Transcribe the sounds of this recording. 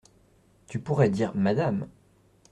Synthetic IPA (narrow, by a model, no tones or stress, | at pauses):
t̪ypuʁɛd̪iʁmad̪am